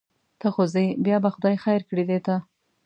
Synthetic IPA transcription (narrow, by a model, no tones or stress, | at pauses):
t̪əxozejbjɑbaxʊd̪ɑjxajɾkɽid̪et̪a